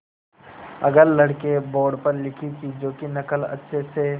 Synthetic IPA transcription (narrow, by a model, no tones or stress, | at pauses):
ɐ̰ɡəɾlɐɽkebɔːɖpəɾlɪkʰikid͡ʒoːkinɐkəlɐ̰tːʃʰese